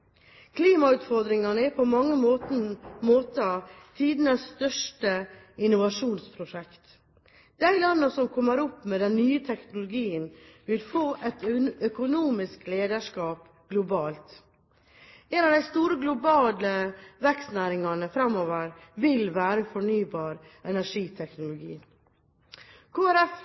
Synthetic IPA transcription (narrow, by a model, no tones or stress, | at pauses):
kʰliːmɑʉːt̪fɔɾd̪ɾɪŋɑnəɛpʰɔmɑŋːəmoːt̪moːt̪ət̪ʰiːd̪nəsst̪œʂʈə | ɪnːʊʋɑʂuːnspʰɾʊʂɛkt̪ | d̪æɪlɑnːəsɔmkʰɔmːəɾɔpːmɛd̪ɛnːyːət̪ʰɛknʊlʊɡiːənʋɪlfoːʔɛt̪œkʊnuːmɪskleːd̪əʂkɑːp | ɡ̥lʊbɑːlt̪ | ɛnɑʋd̪æɪst̪uːɾəɡlʊbɑːləʋɛkst̪næːɾɪŋɑnəfɾɑmoːʋəɾʋɪlʋæːɾəfɔɳyːbɑːɾ | ɛnæʂiːt̪ʰɛknʊlʊɡḭː | kʰoːæɾɛf